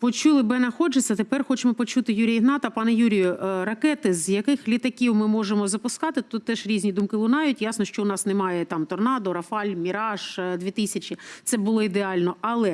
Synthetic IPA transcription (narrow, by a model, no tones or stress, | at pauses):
pɔt͡ʃulˠɪbɛnɐxɔd͡ʒɪt͡sʲːɐt̪epɛrxɔt͡ʃemɔpɔt͡ʃut̪ɪjuɾʲijiɦnɑt̪ɐpɑnɛjuɾʲijʊʔrɐkɛt̪ɪzjɐkɪxlʲit̪ɐkʲiwmɪmɔʒemɔzɐpʊskɑt̪ɪt̪ut̪ːɛʃɾʲizʲnʲid̪umkɪlˠʊnɑjʊtʲjasnɔʃt͡ʃɔʊnɑsnemɑjɛt̪ɑmt̪ɔrnɑd̪ʊɾɐfɑlʲmʲiɾɑʒd̪ʲʋʲit̪ɪsʲɐt͡ʃitsɛbʊlˠɔid̪eɑlʲnɔɐlˠɛ